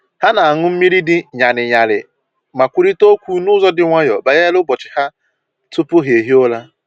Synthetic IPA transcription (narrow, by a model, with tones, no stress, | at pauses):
ha˦na˨a˨ŋʊ˦m̩˦mi˦ɾi˦dɪ˦ɲa˨nɪ˨ɲa˨lɪ˨ | ma˨kʷu˦ɾi˦to˦kʷu˦nʊ˦zɔ˦dɪ˨ŋʷa˦jɔ˨ba˨je˦lʊ˦bɔ˨t͡ʃɪ̥˨ha˦ | tʊ˦pʊ˦ɦe˨ɦi˦o˦la˦